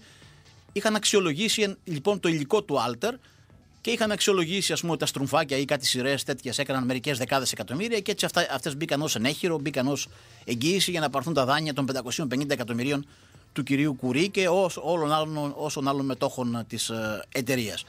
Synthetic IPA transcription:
ixɐnɐksio̞lo̞ʝisinʎipo̞nt̪o̞iliko̞t̪uɐlt̪e̞ɾ | ceixɐnɐksio̞lo̞ʝisiɐspumuet̪it̪ɐst̪ɾuɱfɐcɐikɐt̪t̪i̥siɾe̞ːst̪e̞t̪çese̞kɐnɐnme̞ɾice̞zðe̞kɐðe̞se̞kɐt̪o̞miɾiɐcee̞t͡siɐft̪ɐɐft̪e̞zbikɐno̞sene̞çiɾo̞bikɐno̞s | e̞ɲɟiːsiʝɐnɐpɐɾθunt̪ɐðɐɲiɐt̪o̞mbend̪ɐko̞sio̞mpe̞nind̪ɐekɐt̪o̞miɾio̞n | t̪uciɾiukuɾice̞oo̞lo̞nɐlno̞so̞nɐlo̞nme̞t̪o̞xo̞nt̪ise̞t̪e̞ɾiɐ̰s

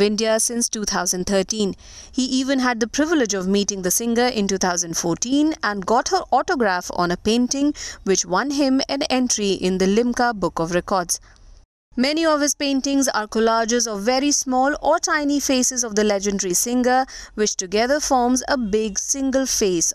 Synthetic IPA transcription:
ɪ̃ndiasɪ̃nstuːt̪ʰaʊzə̃nɖt̪ʰəːʈĩn | hiʔiːʋə̃nɦæd̪̚d̪əpɾɪʋɪlɪd͡ʒɔvmiːʈɪ̃ŋd̪əsɪ̃ŋɡə˞ʔɪ̃ntuːt̪ʰaʊzə̃ndfɔːɾʈĩːnæ̃nɡɔːthəɾʔɔʈoɡɾæfɔ̰̃nəpẽɪ̃nʈɪ̃ŋwɪt͡ʃwʌ̃nɦɪ̃mɨ̃nɛ̃nʈɾiʔɪ̃nd̪əlɪ̃mkabʊkɔvɾɛkɔɾdz̥ | mɛniɔv̥hɪz̥pẽɪ̃ntɪ̃ŋza̰ːɾkʊlad͡ʒɪzɔvːɛɾismɔːlɔʈãɪ̃nifeːsɪzɔvd̪əlɛd͡ʒə̃nɖəɾisɪ̃ŋɡə˞ | wɪt͡ʃtʊɡɛðəfɔːɹmzəbɪɡsɪ̃ŋɡəlfeːs

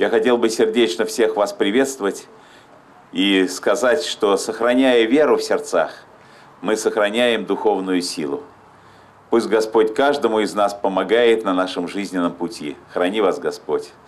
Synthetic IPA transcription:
jaxɐtʲe̞lˠbɨsʲɪrdʲet͡ɕnəfsʲe̞xvaspɾʲɪvʲe̞t̪st̪vəvətʲ | iskɐzatʲʂt̪o̞səxɾɐnʲæjəvʲe̞ɾʊfsʲɪrt̪sax | mɨsəxɾɐnʲæjɪmd̪ʊxo̞vnʊjʊsʲilˠʊ | pusʲtʲɡɐspo̞tʲkaʐd̪əmʊɪznaspəmɐɡajɪt̪nɐnaʂəmʐɨzʲnʲɪnːəmpʊtʲʰḭxɾɐnʲivasɡɐspo̞tʲ

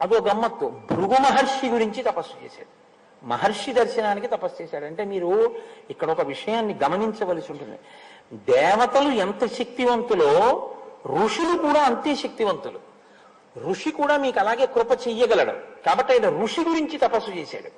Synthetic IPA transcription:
ɐd̪oɡɐmːɐt̪ːubɾuɡumɐɦɐɾʂiɡuɾiɲt͡ʃit̪ɐpɐsːu̥t͡ʃḛːsa̰ːɽu | mɐɦɐɾʂid̪ɐɾʃɐnaːnikit̪ɐpɐst͡ʃeːʃaːɽuɐɳʈe̞ːmiːɾuikːɐɽɐɔkɐʋiʂɐjaːnːiɡɐmɐniɲt͡ʃɐʋɐlɐsiuɳʈund̪i | d̪ɛːʋɐt̪ɐluɛnt̪ɐʃɐk̚t̪iʋɐnt̪ulo̞ː | ɾuʂilukuːɽaːɐnt̪eʃɐk̚t̪iʋɐnt̪ulṵ | ɾuʂikuːɽaːmiːkɐlaːɡe̞ːkɾupɐt͡ʃejːɐɡɐlɐɽṵkaːbɐʈːɐjnɐɾuʂiɡuɾiɲt͡ʃit̪ɐpɐsːut͡ʃeːsa̰ːɽu

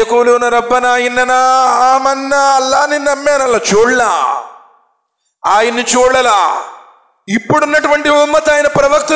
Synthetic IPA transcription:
ɐkoːluunɐɾɐbːɐnaːjinːɐnaːaːmɐnːaɐlːaːninɐmːɛːnɐlːat͡ʃuːɽna̰ː | aːjɐnːit͡ʃuːɽɐlaː | ipːuɽunːɐʈuʋɐɳʈiumːɐt̪aːjɐnɐpɾɐʋɐk̚t̪u

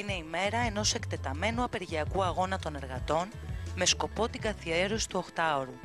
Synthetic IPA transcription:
ine̞ime̞ɾɐeno̞se̞kt̪e̞t̪ɐme̞nuɐpe̞ɾʝiɐkuɐɣo̞nɐt̪o̞ne̞ɾɣɐt̪o̞nme̞sko̞po̞t̪iŋɡɐθie̞ɾosi̥t̪uo̞xt̪ɐoɾu

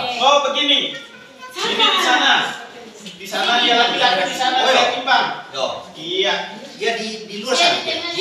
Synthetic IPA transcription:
obəɡini | səlimadisana | disanadialaɡiaadisanalaakimbaŋɔdia | diadidiluasa

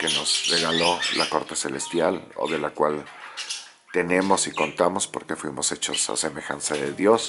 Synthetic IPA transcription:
ke̞no̞zre̞ɣalo̞lʔako̞ɾt̪e̞se̞le̞st̪jalo̰ðe̞lakwal | t̪e̞nẽ̞mo̞siko̞nt̪amo̞spo̞ɾke̞fwimo̞se̞t͡ʃo̞̰sa̰se̞me̞xa̰nsaðe̞ðjo̞s

